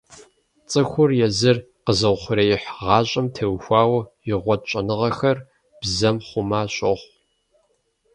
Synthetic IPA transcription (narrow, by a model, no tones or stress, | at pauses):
t͡sʼɨxʷʊrjɛzɨr | qəzɐwχʷʊɾɐjɪħʁɑːɕʼɐmtʰɐwxʷɑːwɐjɪʁʷɔd̚t͡ʃʼɐnɨʁɐxɐr | b̥zɐmχʷʊmaːɕʼɐχʷ